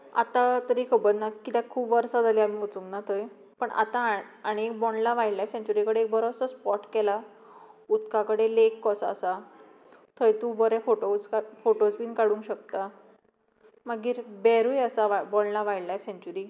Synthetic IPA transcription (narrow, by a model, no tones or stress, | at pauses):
a̰t̪at̪əɾikʰəbəɾnakːit̪ɛ̃kʰuːbʋəɾsad͡z̪aliam̤iut͡sũŋnat̪ʰəj | pəɳʔa̰t̪ãaɽ̃iek̚bɔnlaʋajɽlajfsẽɲt͡ɕuɾikəɽeek̚bəɾɔsəspɔʈkɛla | ut̪kãkəɽelekːɔsaːsa | t̪ʰəjt̪ũbəɾefoʈoskfoʈosbiːnkaɽũŋkɕək̚t̪a | məɡiːɾbɛɾujəsaʋabɔɳlaʋajɽlajfsẽɲt͡ɕuɾi